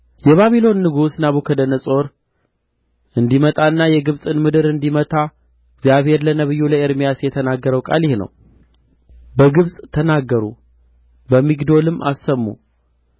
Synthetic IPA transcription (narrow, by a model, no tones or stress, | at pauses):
jɛβaβilo̞nːɨɡusnaβukʰəd̪ənəsʼo̞ɾ | ʔɨnd̪imət̪ʼaɨnːajɛɡɨβsʼɨnmɨd̪ɨɾɨnd̪imət̪ʰa | ɪɡzjaβhe̞ɾlənəβɨjːuləeɾmijasjɛt̪ʰənaɡːəɾəwkʼa̰ljɪhnə̰w | bəɡɨβsʼt̪ʰənaɡːəɾṵ | bəmːiɡd̪o̞lɨmːʔa̰sːəmːṵ